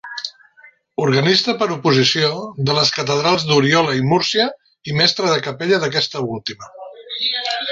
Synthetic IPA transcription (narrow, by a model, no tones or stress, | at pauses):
uɾɣənist̪əpəɾupuzisioðələskət̪əð̞ɾalˠzd̪uɾiɔləimuɾsiə | imɛst̪ɾəð̞əkəpɛʎəðək̬ɛst̪əulˠt̪imə